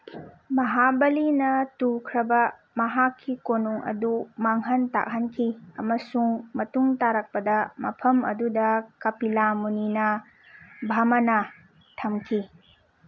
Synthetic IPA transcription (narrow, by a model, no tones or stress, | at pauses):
mɐɦabɐlinɐtukʰɾɐbɐ | mɐɦakʰːikonuŋɐ̰dumaŋɦɐnta̰k̚ɦɐnkʰiɐ̰mɐsuŋmɐtuŋtaɾɐk̚pɐdɐmɐpʰɐmɐ̰dudɐkɐpilamuninɐ | bʱamɐnɐ | tʰɐmkʰi